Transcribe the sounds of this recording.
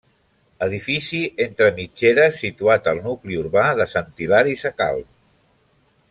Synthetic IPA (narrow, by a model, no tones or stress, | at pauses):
əð̞ifisient̪ɾəmid͡ʒeɾəsit̪uat̪əlˠnukliuɾβaðəsənt̪ilaɾisəka̰lˠ